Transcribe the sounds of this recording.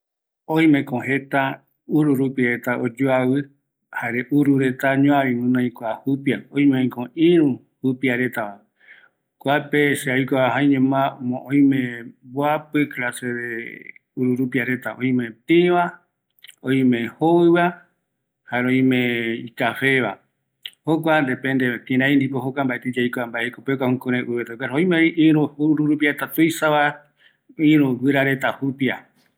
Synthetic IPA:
õj̃mẽkõhe̞t̪a | uɾuɾupiaɾe̞t̪aʔod͡ʒuawɨ | haɾeʔuɾuɾe̞t̪aɲõãβĩmɨ̃nõĩkʷahupiaõj̃meõj̃kõʔĩɾũ | hupiaɾet̪aa | kʷapeʃeajkʷaɦãj̃ɲẽmãmõʔõj̃mẽboapɨklaseðeuɾuɾupiaɾe̞t̪aʔõj̃mẽt̪iβa | õj̃mẽ̞hoɨβa | haɾõj̃mẽikafe̞βa̰ | hok̬ʷand̪e̞pẽnd̪et̪ĩɾãj̃nd̪ipohokʷambaʔet̪id͡ʒajkoambaʔekopek̬ʷaũkõɾ̃ẽʔuβet̪akaɾõj̃meiɾũuɾuɾuɾupiaɾet̪at̪ujsaβa | ĩɾũɡɨɾaɾe̞t̪ahupia

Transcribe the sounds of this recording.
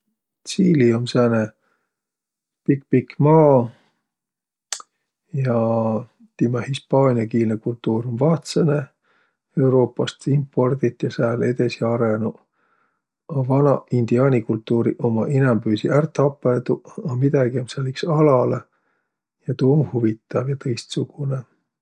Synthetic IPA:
t̪siːliomsæːne | pikpikːmɑː | jɑ | t̪imɑhispɑːnʲiɑkiːlnekult̪ːˑuːɾomvɑːt̪sene | e̞wɾo̞ːpːˑɑst̪impːo̞rd̪̥it̪ːjɑsæːle̞d̪e̞siɑɾenu | ɑvɑnɑind̪̥iɑːnikult̪ːuːɾiʔo̞mɑʔinɛmbyːsiʔært̪ɑpːˑet̪uɑmid̪̥ɑɡ̥iomselːiksɑlɑle | jɑt̪uːmhuvit̪ːˑɑvjɑt̪ɤjst̪suɡ̥une

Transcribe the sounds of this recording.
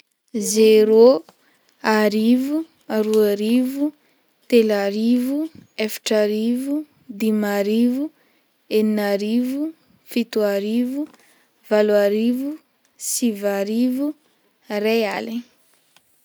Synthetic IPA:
zeɾo | aɾivu | aɾuaɾivu | t̪elaɾivuefḁʈ͡ʂaɾivu | d̪imaɾivu | eninaɾivu | fit̪uaɾivu | valaɾivu | sivaɾivu | reali

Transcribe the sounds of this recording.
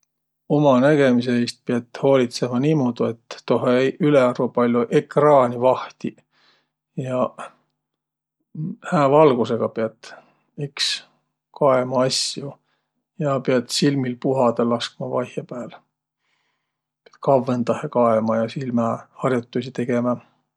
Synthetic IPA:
o̞mɑnæɡ̥e̞mis̬eeːst̪̚peɑt̪ːˑho̞ːlʲit̪se̞mɑniːmoːd̪̥ue̞t̪ːo̞ɦeyleɑɾupɑlʲjuʔekrɑːnʲivɑht̪i | jɑ | hæːvɑlɡ̥use̞ɡ̥ɑpeɑt̪ˑ | iks | kɑemɑɑsju | jɑpeɑt̪silmilpuɦɑd̪elːɑskmɑvɑjhjɑpæːl | peɑt̪kɑvːent̪ɑhekɑemɑjɑsilmɑhɑrjut̪ːˑusit̪e̞ɡ̥e̞mɑ

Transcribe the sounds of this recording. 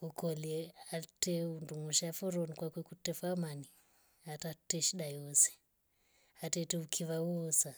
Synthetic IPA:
ukɔliɛatɛunduŋuʃafɔɾɔnikwakwɛkutɛfamani | atatɛʃiɗajɔsɛ̥ | atɛtɛukʰiβauɔsa

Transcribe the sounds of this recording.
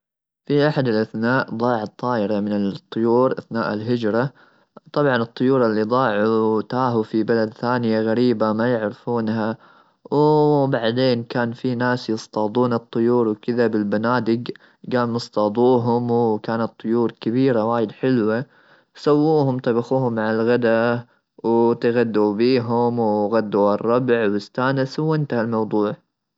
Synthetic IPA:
fiʔaħad̪ɪlʔaθnaːʔd̪ˤɑːʕɑt̪ˤːɑːʔɪɾɑmɪnɪlt̪ˤːʊjuːɾʔaθnaːʔɪlɦɪd͡ʒɾˤɑ | t̪ˤɑbʕɑnɨt̪ˤːʊjuːɾˤalːid̪ˤɑːʕut̪aːɦufibalad̪θaːnɪjaɣaɾiːbamajɪʕɾɪfuːnha | wbaʕd̪eːnkaːnfinaːsjɨst̪ɑːd̪ˤuːnɨt̪ˤːʊjuːɾwkɪðabɪlbanaːd̪ɪɡ | ɡaːlmɨsˤt̪ɑːd̪ˤuːɦʊmwkaːnɑt̪ˤːʊjuːɾkabiːɾawaːjɪd̪ħɪlwa | sawːuːhʊmt̪ɑbɑxuːhʊmːʕaalɣad̪a | wt̪ɪɣad̪ːubiːɦʊmwɣad̪ːuɑrˤːɑbʕwɪst̪aːnɪswɪnt̪ahalmɑwd̪ˤuːʕ

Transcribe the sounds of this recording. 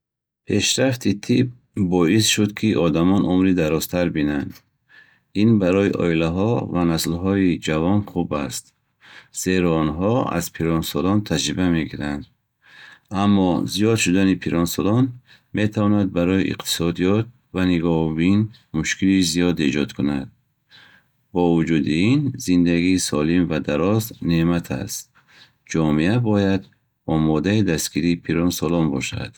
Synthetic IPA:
pʰe̞ʃɾaft̪ʰit̪ʰib̚ː | ɔisʃud̪kʰiʔɔd̪amɔnʔumɾid̪aɾɔst̪ʰaɾbinand̪ | inbaɾɔiʔɔ̰ilaɦɔvanaslɦɔid͡ʒavɔnχubast̪ | z̥e̞ɾɔːnɦɔa̰z̥pʰiɾɔnsɔlɔnt̪ʰad͡ʒɾibame̞ɡiɾand̪ | amːɔzijɔd̪ʃud̪anipʰiɾɔnsɔlɔn | me̞t̪ʰavɔnad̪̚baɾɔjiʔḭqt̪ʰi̥sɔd̪ijɔt̪̚ | vaniɡɔhbin | muʃkʰilizijɔd̪e̞d͡ʒɔd̪kʰunad̪ | bɔvud͡ʒud̪iinzind̪aɡiːsɔlimvad̪aɾɔznemat̪ʰa̰st̪ | d͡ʒɔmiabɔjad̪ | ɔmɔd̪aid̪asɡiɾiːpʰiɾɔnsɔlɔnbɔʃa̰d̪̥

